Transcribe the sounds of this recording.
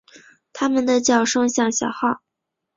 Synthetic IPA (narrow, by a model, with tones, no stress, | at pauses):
t̪ʰa˥mə˨nd̪ə˨t͡ɕjɑ˨˩ʊʂɤ˥ŋɕjɑ˥˩ŋɕjɑ˨˩ʊxɑ˥˩ʊ